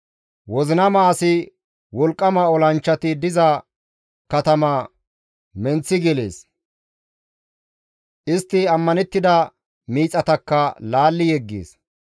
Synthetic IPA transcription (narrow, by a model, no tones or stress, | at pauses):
wɔzɪnɐmaːsɪ | wɔlkʼːɐmɐɔlɐnt͡ʃːɐt̪ɪd̪ɪzɐ | kɐt̪ɐmɐ | mɛnt͡sːɪɡɛlḛːs | ʔɪst̪ːɪɐmːɐnɛt̪ːɪd̪ɐ | miːt͡sʼɐt̪ɐkːɐlaːlːɪjɛɡːḛːs